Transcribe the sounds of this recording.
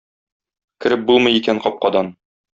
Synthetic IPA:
kɘ̆ɾɘp̚bulˠmɤ̆jikæɴqɒp̚qɒd̪ɑn

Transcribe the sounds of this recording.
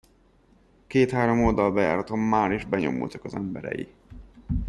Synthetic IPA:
keːt̪haːɾo̞mold̪ɒlbɛja̰ːɾɒt̪omːaːɾiʒbɛɲo̞̰mṵlt̪ɒ̥kɒzɛmbɛɾɛ̰jḭ

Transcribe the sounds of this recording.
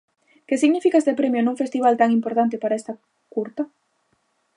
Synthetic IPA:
kesiɣnifikaest̪epɾemjonuŋfest̪iβ̞alt̪aŋimpoɾt̪ant̪̬epaɾaest̪a | kuɾt̪a

